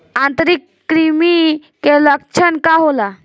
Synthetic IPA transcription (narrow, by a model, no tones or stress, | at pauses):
ãnt̪əɾikːɾimikeləkt͡ʃʰənkaɦola